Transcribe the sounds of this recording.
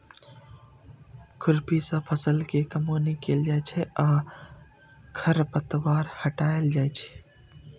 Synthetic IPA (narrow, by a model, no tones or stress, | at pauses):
kʊɾpisə̃pʰəsəlkekəmonikeld͡ʒajt͡ʃʰɛaː | kʰəɾpət̪waːɾhəʈaeld͡ʒajt͡ʃʰɛ̥